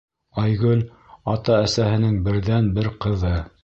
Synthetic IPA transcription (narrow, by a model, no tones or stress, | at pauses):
ɑjɡɵl | ɑt̪ɑæsæhɘ̆nɘŋbɘ̆ɾðænbɘɾqɤ̆ðɤ